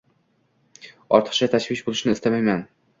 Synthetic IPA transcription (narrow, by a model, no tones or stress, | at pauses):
ɒɾt̪ʰə̥χt͡ʃat̪ʰaʃvɪʃbolˠɪʃnɪɪst̪amajman